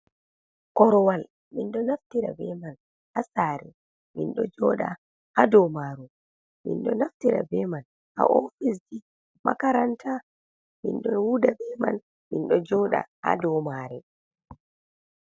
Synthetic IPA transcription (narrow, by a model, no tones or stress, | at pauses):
kɔɾɔwal | ɓinɗɔnaftiɾa̰bɛman | hasaːɾɛ | minɗɔd͡ʒɔɗa̰ | hadɔmaɾu | ɓḭnɗɔnaftiɾa̰bɛman | ha̰ʔofis̬di | ma̰kaɾantʰa | mḭnɗɔnwudabɛma̰n | minɗɔd͡ʒɔɗa̰ha̰dɔmaːɾɛ